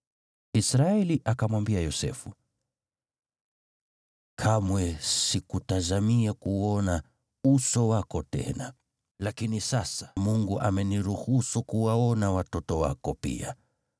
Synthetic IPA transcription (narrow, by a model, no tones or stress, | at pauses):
isɾaɛliʔakamwambiajɔsɛ̰fu | kʰamwɛsikutazamiakuɔna | usɔwakɔtɛ̰na | lakinisasḁmuŋɡuʔa̰mɛniɾuhusukuwaɔnawatɔtɔwa̰kɔpḭa